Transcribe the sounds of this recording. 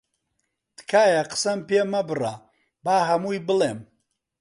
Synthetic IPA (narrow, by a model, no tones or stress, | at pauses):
t̪kʰaːjaqə̥sɐmpʰeːmɐbɨra | baːɦɐmuːjbɨleːm